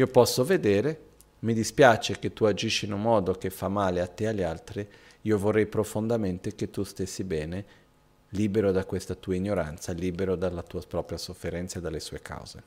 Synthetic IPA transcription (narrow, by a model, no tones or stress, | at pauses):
iːopɔsːoved̪eːɾe | mid̪ispjat͡ʃeket̪ːuad͡ʒiʃːiːnummɔːd̪okefamaːleat̪ːeaʎːealt̪ɾi | iːovorːɛjpɾofond̪ament̪eket̪ːust̪esːibɛːne | liːbeɾod̪akwest̪at̪uːaiɲːoɾa̰nt̪saliːbeɾod̪alːat̪uːapɾɔːpɾjasofːeɾɛnt̪saed̪alːesuːekʰa̰wz̥ḛ